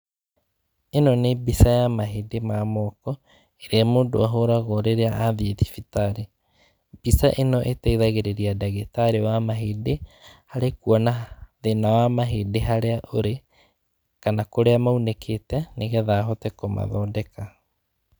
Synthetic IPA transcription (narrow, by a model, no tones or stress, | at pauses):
enɔnebisajamaɦedemamɔkɔ | eɾeamoːndo̰aɦoɾaɣɔɾeɾeaaðieðifitaɾe | b̥isaʔenɔʔetɛiðaɣeɾeɾiadaɣetaɾewamaɦedehaɾekuɔnaðenawamaɦedeɦaɾeaʔoɾe | kanakoɾeamaunekʰetɛneɣɛðaːɦɔtɛkoma̰ðɔːdɛka